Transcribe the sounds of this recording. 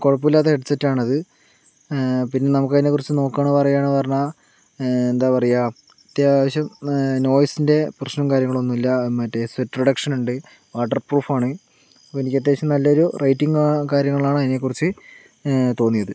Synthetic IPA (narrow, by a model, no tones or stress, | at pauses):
koɻɐpːɐilːaːt̪ːeeʈt͡ɕːɐtːaːɳɐðɨ | pinːe̞nɐmukːɐðinekːurit͡ɕːɨno̞ːkːaːɳɐʋɐrɐjaːɳɨʋɐrna | end̪aːpɐrɐja | ɐt̪jaʋɐɕjɐmno̞ːjsinde̞prɐɕnɐmkaːɾjɐŋːɐɭo̞nːumilːɐmɐtːesʋetːprɐɽɐkʂɐnuɳɖɨ | ʋaːʈːɐrpruːfaːɳɨ | enikʲːɐt̪̬ːe̞ːt͡ɕːɐmnɐlːɐoɾurɐjtːiŋɡkaːɾjɐŋːɐɭaːɳɨɐðinekːurit͡ɕːɨ | t̪o̞ːnːijɐðɨ